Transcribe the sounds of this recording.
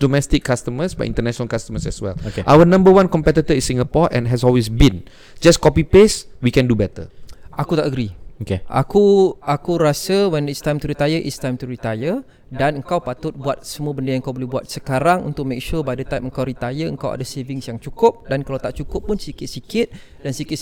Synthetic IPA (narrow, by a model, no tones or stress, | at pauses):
domɛst̪ɪkːast̪əməsba̰ʔḭntənɛʃɔnəlkast̪əməsɛswɛ̰lkeʔawənãmbəwãnkɔmpɛt̪it̪əisĩŋɡapɔʔɛ̰̃nɦɛsɔlwesbĩn | d͡ʒaskɔpipeswikɛ̃ndubɛt̪ə̰akut̪aʔəɡɾiokeʔa̰kuakuɾasəwɛnist̪ajmt̪uɾit̪ajəʔḭst̪ajmt̪uɾit̪ajə | danəŋkawpat̪ʊt̪̚buat̪̚səmũəbəndəjaŋəŋkawbolɛhbuat̪̚səkaɾaŋṵnt̪ʊk̚mek̚ʃubadət̪ajməŋkawɾit̪ajəə̰ŋkawʔa̰dəsevɪŋsjaŋt͡ʃukʊp̚dankalawt̪aʔt͡ʃukʊpːʊnsikɪt̪̚sikɪt̪̚ | dansikɪt̪